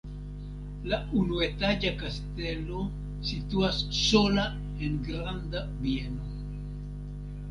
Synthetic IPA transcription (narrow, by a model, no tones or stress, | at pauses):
launuet̪aʝakast̪elo | sit̪uasːola | eŋɡɾand̪a | βjeno